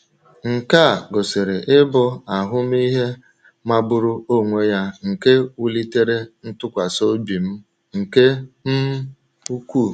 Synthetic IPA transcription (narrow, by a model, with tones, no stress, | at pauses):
ŋ̩˨ka˦˨ɡo˨se˨ɾe˨ʔɪ˦bɔ˦a˨ɦʊ˦m˦i˦ɦe˦ | ma˦bʊ˦ɾʊ˦o˦ŋʷe˦ja˦ŋ̩˨ke˦u˦li˦te˦ɾe˦n̩˦tʊ˦kʷa˨so˦bi˨m̩˦ | ŋ̩˨ke˦m̩˦ | u˦kʷu˦˨